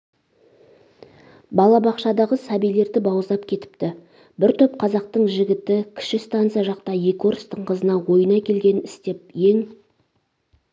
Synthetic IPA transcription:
bɑlˠɑbɑqʃɑd̪ɑʁəsɑbijle̞ɾd̪ɪbɑwəzd̪ˠɑp̚kʲʰe̞t̪ɪ̥pt̪ɪ | bɪɾt̪ʰɵp̚qʰɑzɑqt̪əɴʒɪɡʲɪt̪ɪkʲʰɪ̥ʃɪst̪ɑnt̪sijɑʒɑq̚t̪ɑje̞kʲoɾst̪əɴqʰəzənɑwo̞jənɑkʲʰe̞lɡʲe̞nɪst̪e̞p̚je̞ŋ

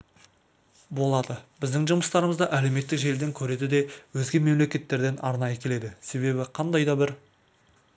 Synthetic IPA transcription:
bo̞lˠɑd̪əbɪzd̪ɪŋʒʊməst̪ɑɾəməzd̪ɑʔæle̞wme̞t̪ːɪkʒe̞ld̪eŋkʲʰɵɾe̞d̪ɪd̪e̞wɵzɡʲe̞me̞mle̞kʲe̞t̪ːe̞ɾd̪e̞nɑ̰ɾnɑjəkʲʰe̞le̞d̪ɪse̞βe̞bɪqʰɑnd̪ɑjd̪ɑbɪɾ

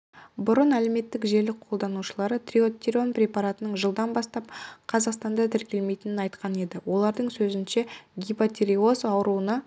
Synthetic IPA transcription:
bʊɾənæle̞me̞t̪ːɪkʒe̞ɾlɪk̚qʰo̞lˠd̪ɑnuʃəlˠɑɾət̪rʲio̞t̪ʲːiɾio̞nprʲe̞pɑɾat̪ənəɴʒəlˠd̪ɑnbɑst̪ɑp̚qʰɑzɑqst̪ɑnd̪ɑt̪ʰɪɾkʲe̞lme̞jt̪ɪnɪnɑjt̪qʰɑne̞d̪ɪwo̞lˠɑɾd̪əɴsɵzɪnʃe̞ɡʲipat̪ʲeɾio̞sɑwəɾuənɑ

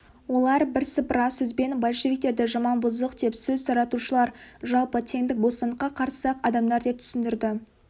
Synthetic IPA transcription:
wo̞lˠɑɾbɪɾsəpɾɑsɵzbe̞nbɑlʲˠʃevʲik̚t̪e̞ɾd̪ɪʒɑmɑnbʊzəqd̪e̞psɵzt̪ʰɑɾɑt̪uʃəlˠɑɾʒɑlˠpət̪ʰeŋd̪ɪk̚bo̞st̪ɑnd̪əqːɑqʰɑɾsɑqɑd̪ɑmd̪ɑɾd̪e̞p̚t̪ʰʏ̥sɪnd̪ɪɾd̪ɪ

